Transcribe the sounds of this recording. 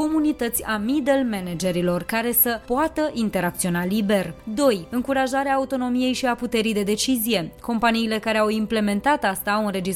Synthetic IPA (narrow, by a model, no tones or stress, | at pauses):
ko̞munit̪ət̪sʲamid̪elmened͡ʒe̞ɾilo̞rkaɾe̞səpoat̪əʔint̪e̞ɾak̚t̪sio̞nalibe̞rd̪o̞jɨŋkuɾaʒaɾeaːut̪o̞no̞mije̞jʃiaput̪e̞ɾijd̪e̞d̪e̞t͡ʃizije̞ko̞mpaniːle̞kaɾe̞awimple̞me̞nt̪at̪ast̪aunre̞d͡ʒis